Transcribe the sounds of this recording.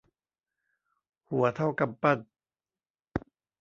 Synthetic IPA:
hu˨˩˦ɐt̪ʰa˥˩wka˨˩pːa˥˩t̪̚

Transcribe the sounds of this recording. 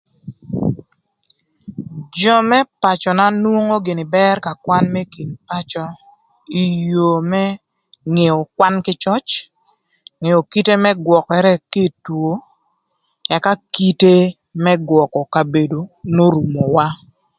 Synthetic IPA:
d͡ʒɔ˦mɛ˦pa˨t͡ʃɔ˨na˦nwo˦ŋo˦ɡɪ˨nɪ˨bɛ˦rka˨kwa˦nmɛ˦ki˨npa˦t͡ʃɔ˦ | i˨jo˨mɛ˦ | ŋe˨ɔ˨kwa˦nkɪ˦t͡ʃɔ˦t͡ʃ | ŋe˨o˨ki˦te˦mɛ˦ɡwɔ˨kɛ˨ɾɛ˦kɪ˦two˨ | ɛ˨ka˦ki˦te˦ | mɛ˦ɡwɔ˨kɔ˨ka˨be˨do˨no˦ɾu˨mo˨wa˦

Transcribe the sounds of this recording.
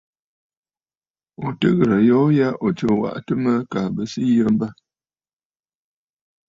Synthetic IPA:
o˨tə˦ɣə˨ɾə˨jɔ˦ja˦ʔo˨t͡ʃə˨wa̰˦˨ʔtə˦mə˦ka˨bə˨si˦jə˦m̩˦bə˦

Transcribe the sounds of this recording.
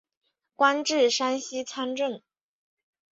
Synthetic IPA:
kwa˥nʈ͡ʂɻ̩˥˩ʂa˥nɕi˥t͡sʰa˥nʈ͡ʂə˥˩ŋ

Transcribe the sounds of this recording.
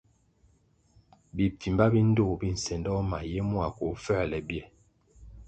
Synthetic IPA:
bi˨ti˨mba˦bi˦n̩˦do˦˨bi˦n̩˨sɛ˨ndɔ˦ma˨jɛ˦mwa˨ko˨fɛ˦˨lɛ˨bjɛ˦˨

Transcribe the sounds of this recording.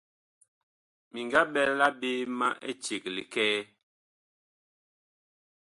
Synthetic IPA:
mi˨ŋɡa˦ɓɛ˦la˦be˦ma̰˦ʔḛ˦t͡ʃe˨k̚lḭ˨kɛː˦

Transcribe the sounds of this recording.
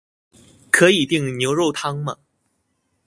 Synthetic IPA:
kʰɤ˧˥i˨˩t̪i˥˩ŋnjo˧˥ʊɻo˥˩ʊt̪ʰɑ˥ŋmɐ˨

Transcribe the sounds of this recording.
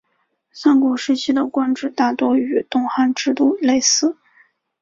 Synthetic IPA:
sa˥nkwɔ˨˩ʂɻ̩˥˩t͡ɕʰi˥d̪ə˨kwa˥nʈ͡ʂɻ̩˥˩t̪a˥˩t̪wɔ˥y˨˩t̪ʊ˥˧ŋxa˥nʈ͡ʂɻ̩˥˧t̪u˥˩le˥˩ɪsɹ̩˥˩

